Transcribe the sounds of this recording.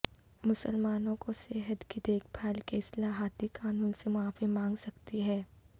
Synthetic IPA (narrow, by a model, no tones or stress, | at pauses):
mʊsəlmaːnõkoseɦət̪kid̪eːkʰpʰaːlkeɪslaːɦaːt̪ikaːnuːnsemʊaːfimãːŋɡsɐkt̪iɦɛː